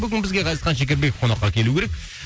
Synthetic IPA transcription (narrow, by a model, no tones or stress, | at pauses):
bʏɡʲɪnbɪzɡʲeqɑj̪əsqɑnʃ̬ekʲeɾbe̞kqʰoɑqːɑkʲʰe̞lukʲʰeɾek̚ʲ